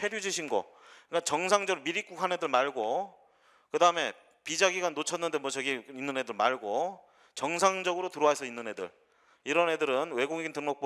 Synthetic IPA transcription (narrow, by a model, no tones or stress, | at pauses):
pʰe̞ɾjud͡ʑiɕʰinɡʌk͈at͡ɕʌŋsʰaŋd͡ʑʌɡɯmiɾik͈ukʰane̞dɯɭmaɭɡo | kɯdaɯme̞ | pid͡ʑaɡiɡanːot͡ɕʰʌnːɯnde̞mwʌt͡ɕʌɡiinːɯnɦe̞dɯɭmaɭɡo | t͡ɕʌŋsʰaŋd͡ʑʌɡɯɾotɯɾoaesʰʌinːɯnɦe̞dɯ̰ɭ | iɾʌnɦe̞dɯɾɯnwe̞ɡoŋeɡintɯŋmʌk̚po